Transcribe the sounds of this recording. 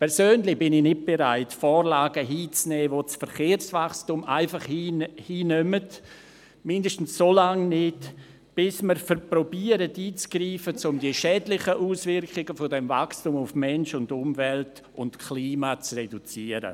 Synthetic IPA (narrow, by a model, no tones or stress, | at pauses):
pʰɛɾsøːnlɪbɪnɪnɪt̚b̥eɾaɪtfɔːɾlaːɡəɦiːt͡snɛːvot͡sfəɾχeːɾsvaχstumʔaɪfaχhihiːnœmət | mɪndəʃtn̩ssolaŋnɪt | b̥ɪsməɾfəɾpɾobiəɾətiːt͡sɡ̥ɾiːfət͡sʊmdiəʃɛːdlɪχəʔuːsvɪɾkχɪɡəfɔdɛmva̰kstumʊfmɛnʃʊndʊmvɛlt | ʊntkʰliːmat͡srɛdut͡siəɾə̰